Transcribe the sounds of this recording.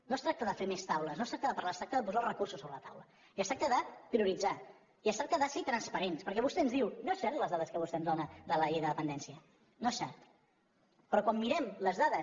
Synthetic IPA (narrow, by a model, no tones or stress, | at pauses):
nost̪ɾak̚t̪əðəfemest̪awləsnost̪ɾak̚t̪əðəpəɾlast̪ɾak̚t̪əðəp̬uzalˠrəkursusoβɾələt̪awlə | iəst̪ɾak̚t̪əðəpɾiuɾid͡za | iəst̪ɾak̚t̪əðəset̪ɾənspəɾenspəɾkɛβust̪ɛənzðiwnoesɛɾt̪ləzðaðəskəβust̪ɛənzðonəðələejðəðəpənd̪ɛnsiə | noɛsːɛ̰rt̪ | pɾɔkwamːiɾɛmləzðaðəs